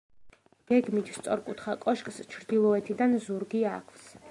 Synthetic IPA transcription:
ɡ̥ɛɡmit̪ʰst̪sʼɔɾkʼut̪ʰχakʼɔʃkʼst͡ʃʰɾd̪ilˠɔɛt̪ʰid̪anzuɾɡiakʰvs

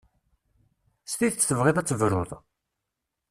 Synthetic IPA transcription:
st̪iðt͡sːθəvʁɪðæt͡sːəvɾʊðˤ

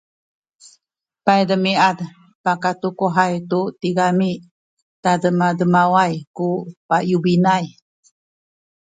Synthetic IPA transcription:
pajdəmiad | pakatukoɦajtutiɡami | tadəmadəmawajkupajubinaj

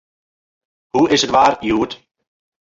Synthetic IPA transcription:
huɪsətʋaːrjuːət

